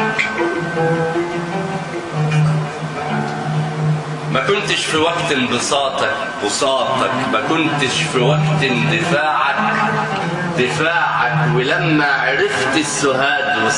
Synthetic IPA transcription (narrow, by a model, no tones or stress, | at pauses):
mækʊnt̪ɪʃfiwaɡt̪bɨsˤɑːt̪ˤɑ | bʊsˤɑːt̪ˤɑkmækʊnt̪ɪʃfiwaɡt̪nd̪ɪfaːʕak | d̪̥ɪfaːʕakwɪlamːaʕɾɪft̪ɪsːʊɦaːd̪wɪ